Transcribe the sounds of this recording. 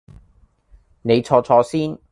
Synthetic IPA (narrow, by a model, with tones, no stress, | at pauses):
ne˨˧jt͡ʃʰɔː˧t͡sʰɔː˧siː˥n